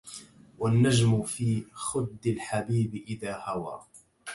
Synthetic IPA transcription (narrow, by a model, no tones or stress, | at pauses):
wanːad͡ʒmʊfiːxʊd̪ːɪlħabiːbɪʔɪðaːhawa̰ː